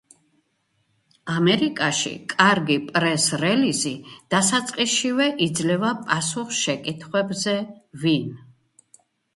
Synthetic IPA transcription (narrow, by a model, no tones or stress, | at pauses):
amɛɾikʼaʃḭkʼaɾɡipʼɾɛsɾɛlizid̪̥asat̪sʼqʼiʃivɛʔid̪zlɛvapʼasuχʃɛkʼit̪ʰχwɛbzɛvin